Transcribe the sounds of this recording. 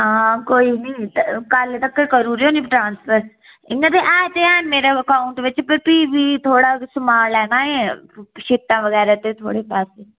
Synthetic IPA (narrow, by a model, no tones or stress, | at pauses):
ɦãkoːinɐĩt̪kaːlet̪ɐkːekəɾuɾɦoːniʈɾãːnspʰəɾ | ɪŋɡat̪eʔaːt̪eɛːnmeːɾeɐkaːʊɳʈʋɪt͡ʃpəɾpiːbʱit̪ʰoːɽasʊmaːlɛːnaɦeʃɪt̪ːãʋɐɣɛːɾat̪et̪ʰo̰ːɽepɛːseː